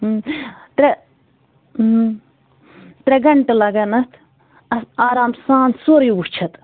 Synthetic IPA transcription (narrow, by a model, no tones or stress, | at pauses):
t̪ɾe | t̪ɾʲeɡɐɳʈɨlɐɡɐnɐt̪ʰ | ɐsaːɾaːmsaːnsoɾjuwut͡ʃʰɐt̪